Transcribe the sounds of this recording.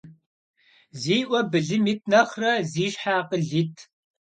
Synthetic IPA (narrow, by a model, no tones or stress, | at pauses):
ziːʔʷɔbɨɮɨmit̚ʰnɐχrɐziːʃħaːqəɮitʰ